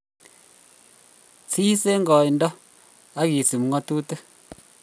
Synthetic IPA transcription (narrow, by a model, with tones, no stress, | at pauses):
t͡siː˦se˦ŋ˦ɡɔ˨i˨n˦dɔ˦ | a˦ɡi˨si˨m˨ŋɔ˦tuː˦tɨ˦